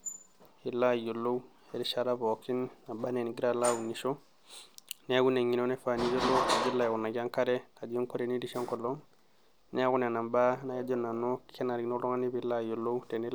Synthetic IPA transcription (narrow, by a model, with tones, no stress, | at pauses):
i˨la˦˨jo˨lːo˦u˦ | e˨ɾi˨ʃa˦ɾa˦bo˨ki˦nna˨ba˦ne˨n˨ɡi˦ɾa˦˨la˦u˨ni˨ʃo˦ | ne˦ɡu˦ne˨ŋi˨no˦ne˦fa˨ni˦jo˦lo˦ka˨d͡ʒo˦la˨je˨ɡu˨na˨ɡa˦ŋka˦ɾe˦ka˨d͡ʒi˦o˦ŋko˦ɾe˨ni˦di˦ʃo˦ŋko˨lːo˦ŋ | ne˦ɡu˦ne˨na˨mba˦na˨ja˦d͡ʒo˦na˨no˦ke˦na˨ɾi˨no˦lo˦ŋa˦ni˦bi˨la˦˨jo˨lːo˦u˦te˨ni˦